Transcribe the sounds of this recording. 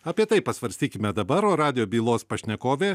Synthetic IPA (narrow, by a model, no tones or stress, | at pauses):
ɐpʲiɛt̪ɐɪppɐsʋɐɾʲsʲt̪ʲiːkʲɪmʲɛd̪ɐbɐɾoːɾɑːd̪ʲɪjoːbʲiːlˠoːspɐʃʲnʲɛkoːʋʲeː